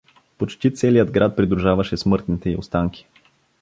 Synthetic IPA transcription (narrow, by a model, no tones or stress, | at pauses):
pot͡ʃt̪it̪sɛlijəd̪ɡɾat̪̚pɾid̪ɾuʒavɐʃɛsmɤɾt̪nit̪ɛiost̪aŋkʲi̥